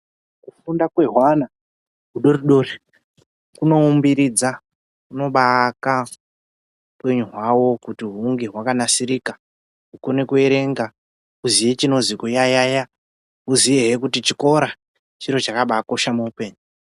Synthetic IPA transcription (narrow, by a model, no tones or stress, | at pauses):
kufundakwe̞ɦwana | ɦuɗoriɗo̞re | kuno̞umbiɾid͡za | kuno̞ɓaka | upwe̞ɲuɦwawo̞kutiɦuŋɡeɦwakanasiɾika | ukone̞kue̞ɾe̞ŋɡa | uziʋet͡ʃino̞zikujajaja | uziʋeɦekutit͡ʃiko̞ɾa | t͡ʃiɾo̞t͡ʃakaɓako̞ʃamuupe̞ːɲu